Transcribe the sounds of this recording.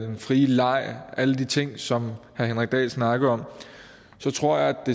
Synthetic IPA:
denfʁiːlɑ̈ɪ̰æləd̥it͡sʰe̝ŋ̰sɒ̽mhɑhenʁɛɡ̥̚d̥ɛ̰ːsnɑ̈ɡ̥ð̩ˠɒ̽m̰ | sɒ̽t͡sʰʁo̝ɐ̰jɑ̈ɪæd̥e̝

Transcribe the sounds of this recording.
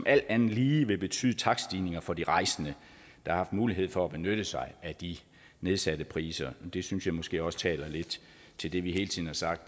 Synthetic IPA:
ɒ̽mʔæl̰d̥ænð̩ˠliːʋe̝b̥e̝t͡sʰy̰ːð̞ˠt͡sʰɑ̈ɡ̥sd̥iːne̝ŋɐfɒ̽d̥iʁɑ̈ɪ̰sənə | d̥ɑ̈hɑ̈hɑfd̥muːliɦe̝ð̰ˠfɒ̽æb̥e̝nøɾ̥əsɑ̈ɪʔæd̥i | ne̝ð̞ˠsæd̥əpʰʁḭːsɐd̥e̝synsjɑ̈ɪmɒsɡ̥e̝̰ːɒ̽sə̥t͡sʰɛ̰ːlɐle̝d̥ | t͡sʰe̝ld̥e̝ʋiɦe̝ːlt͡sʰið̰ˠn̩hɑ̈sɑ̈ɡ̥̚d̥

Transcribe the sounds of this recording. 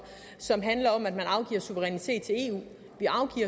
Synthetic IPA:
sɒ̽mɦænlɐɒ̽mæd̥̚mænɑ̈ʊɡ̥ḭːɐsuʋəʁɛnit͡sʰe̝̰ːd̥̚t͡sʰe̝e̝̰ːṵː | ʋiʔɑ̈ʊɡ̥ḭːɐ

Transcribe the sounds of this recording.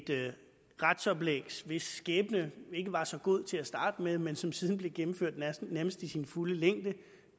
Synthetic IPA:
d̥ | ʁad̥sɒ̽b̥leɡ̥sʋe̝sːɡ̥ɛːb̥ənəe̝ɡ̥əʋɑ̈sɒ̽ɡ̥o̝ð̞̰ˠt͡sʰe̝æsd̥ɑ̈ːd̥əmeðˠmensɒ̽msiðˠn̩b̥le̝ɡ̥emm̩føɐ̰d̥nnæɐməsd̥isinfuləleŋ̰d̥ə

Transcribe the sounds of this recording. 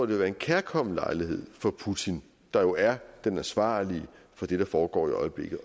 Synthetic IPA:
ɔ̰d̥eʋeʋæɐe̝nkʰæɐkʰɒ̽m̰̩lɑ̈ɪlihe̝ð̰ˠfɒ̽pʰut͡sʰin | d̥ɑ̈jo̝æɐd̥enæsʋɑ̰̈ːliə | fɒ̽d̥e̝d̥ɑ̈fɒːɡ̥ɒ̰ːiɒ̽ɪəb̥le̝ɡ̥ð̩ˠ

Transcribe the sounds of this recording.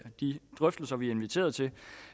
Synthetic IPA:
d̥id̥ʁœfd̥l̩sɐʋiæɐe̝nʋit͡sʰe̝̰ːɐð̞̩ˠt͡sʰe̝

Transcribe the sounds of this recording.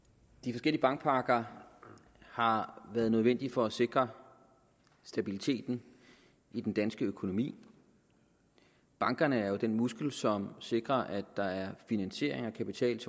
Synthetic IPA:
d̥ifɒ̽sɡel̰iəbɑ̈ŋɡ̥̚pʰɑ̈ːɡ̥ɐ | hɑ̈ʋæːɐð̩ˠnøðˠʋen̰d̥ifɒ̽æse̝ɡ̥ʁɐ | sd̥æb̥ilit͡sʰe̝̰ːd̥n̩ | id̥end̥ænsɡ̥əøkʰo̝no̝mḭː | b̥ɑ̈ŋɡ̥ɐnəæɐjo̝d̥enmusɡ̥l̩sɒ̽mse̝ɡ̥ʁɐʔæd̥ːɑ̈æɐfinænɕe̝̰ɐ̰eŋɒkʰæpit͡sʰɛ̰ːls

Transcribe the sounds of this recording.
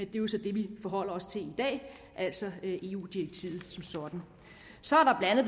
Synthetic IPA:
d̥e̝osɒ̽d̥e̝ʋifɒɦɒ̽l̰ɐɒ̽st͡sʰe̝lid̥ɛ̰ː | ʔæl̰sɒ̽ʔe̝ːṵːd̥iʁɐɡ̥̚t͡sʰḭːð̩ˠsɒ̽msɒ̽d̥n̩ | sɒ̽æɐɾɑ̈b̥lænð̩ˠ

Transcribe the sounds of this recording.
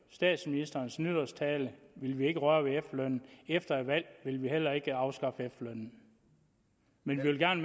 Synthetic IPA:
sd̥ɛ̰ːd̥sminisd̥ɐːn̩snyðˠɐst͡sʰɛːləʋe̝lʋie̝ɡ̥əʁɶːɐʋeefløn̰n̩efd̥ɐæʋæl̰ʋe̝lʋihel̰ɐe̝ɡ̥əɑ̈ʊsɡ̥ɑ̈fəefløœn̰n̩ | menʋiʋe̝lɡ̥æɐ̰nəm

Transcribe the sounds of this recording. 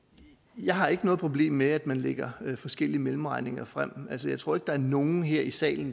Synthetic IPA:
jɑ̈ɪɦɑ̈e̝ɡ̥ənɔ̽ːðˠpʰʁo̝b̥le̝̰ːmːeæd̥mænleɡ̥ɐfɒ̽sɡ̥el̰iəmelm̩ʁɑ̈ɪne̝ŋɐfʁam̰ælsəjɑ̈ɪt͡sʰʁo̝ɐ̰eɡ̥əd̥ɑ̈æɐno̝ːn̩ɦeɐ̰isɛ̰ːln̩

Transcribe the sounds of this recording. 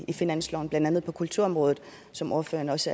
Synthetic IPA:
ifinæn̰slɒʊn̩b̥lænd̥ænð̞̩ˠpʰɒ̽kʰult͡sʰuɐɒ̽mʁɔ̽ːðð̩ˠ | sɒ̽mo̝ːɐfø̰ːɐnɒ̽sə

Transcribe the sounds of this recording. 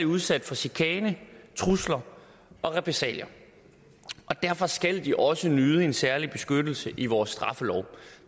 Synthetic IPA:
iuðˠsæd̥fɒ̽sikʰɛːnət͡sʰʁuslɐ | ʔɒ̽ʁɛpʰesɛ̰ːljɐ | ʔɒ̽d̥æɐ̰fɒ̽sɡ̥æl̰d̥iʔɒ̽sənyːð̞ˠəe̝nsæɐlib̥e̝sɡ̥ød̥l̩səʔiʋɒːsːd̥ʁɑ̈fəlɒʊ

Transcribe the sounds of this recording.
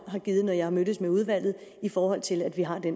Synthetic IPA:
ɦɑ̈ɡ̥iːð̩ˠnɒjɑ̈hɑ̈mød̥əsmeuð̞ˠʋæl̰ð̞̩ˠ | ifɒːhɒ̽l̰t͡sʰe̝læd̥ʋiɦɑ̈d̥en

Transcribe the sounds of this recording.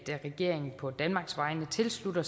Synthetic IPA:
d̥æʁɛɡ̥e̝ɐ̰e̝ŋn̩pʰɒ̽d̥ænmɑ̈ːɡ̥sʋɑ̈ɪnət͡sʰe̝lslud̥ɐ

